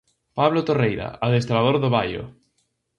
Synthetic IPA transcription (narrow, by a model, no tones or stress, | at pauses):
paβlot̪orejɾa̰aðest̪ɾað̞oɾðoβ̞ajo̰